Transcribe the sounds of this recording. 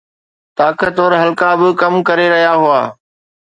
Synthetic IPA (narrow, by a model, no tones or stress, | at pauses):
t̪aːkət̪ːoːɾɦɐlkabɪkɐmkɐɾeɾɐɦijaɦʊaː